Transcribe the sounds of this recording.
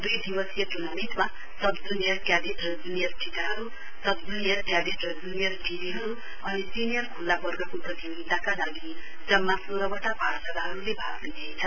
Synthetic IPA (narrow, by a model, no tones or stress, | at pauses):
d̪ujd̪ibʌsijʌʈunʌmit̪ma | sʌbd͡zunijʌrkjabeʈʌd͡zunijʌrʈʰikaɦʌɾu | sʌbd͡zunijʌrkjabeʈrʌd͡zunijʌrʈiɾiɦʌɾu | bʱʌnesinijʌrkʰulːabʌrɡʌkoprʌt̪ibɡid̪ʱakalaɡi | d͡zʌmːasoɾʌbaʈaparsad̪aɦʌɾulebʱa̰ɡnid̪ʱʌet͡sʰʌn